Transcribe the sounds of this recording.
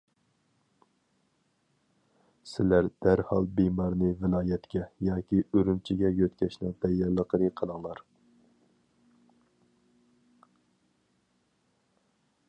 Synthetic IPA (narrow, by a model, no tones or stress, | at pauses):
sɪlæɾd̪̥æɾhɑ̰lˠbimɑɾnɨvɪlˠɑːjɛt̪kʲɛjɑːkʲiøɾymt͡ʃʰiɡʲɛjøt̪kʲʰɛʃnɨŋd̪ɛjːɛɾlˠəqəɾɨqʰəlˠəŋlˠɑɾ